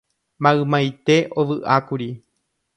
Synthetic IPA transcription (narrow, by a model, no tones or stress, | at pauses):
mãɨmãjt̪e̞ʔoʋɨʔakuɾi